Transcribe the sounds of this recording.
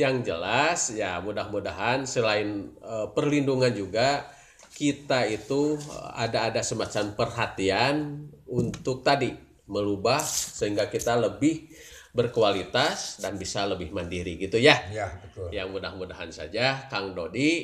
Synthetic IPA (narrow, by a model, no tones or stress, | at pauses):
jaŋd͡ʒəlasjamudahmudaɦansəlaɪnəpərlinduŋand͡ʒuɡa | kit̪ait̪ua̰daːdasəmat͡ʃanpərɦat̪ianunt̪ʊk̚t̪adi | məlubahsəɦiŋɡakit̪aləbɪh | bərkualit̪asdanbisaləbɪhməndiɾiɡit̪ujaj̪jamudahmudaɦansa̰d͡ʒakaŋdodi